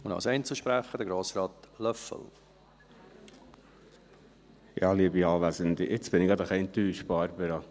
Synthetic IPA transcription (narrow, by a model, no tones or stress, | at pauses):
ʊndɑ̰lsɛɪnt͡səʃpɾæχədəɡɾoːsɾɑːt̪lœfə̰l | jɑːliəbiɑːʋæzənd̪iʔɪt͡sb̥ɪnɪɡɑd̪əχɛɪnt̪yːʃb̥ɑɾbəɾɑ